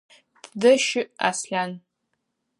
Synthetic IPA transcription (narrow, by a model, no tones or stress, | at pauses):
ddɨʃɪʔa̰sɬʲan